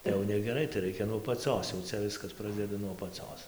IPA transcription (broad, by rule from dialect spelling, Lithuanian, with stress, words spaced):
tɐɪ jɛʊ nʲɛɡʲɛˈrɐɪ tɐɪ ˈrɐɪkʲɛ nuɔ ɐpɐˈt͡sʲoːs jɛʊ ˈt͡sʲɛ ˈʋʲɪskɐs ˈprɑːzʲdʲɛdɐ nuɔ ɐpɐˈt͡soːs